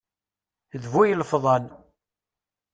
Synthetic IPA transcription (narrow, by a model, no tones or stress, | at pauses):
ðvujləfðˤɑn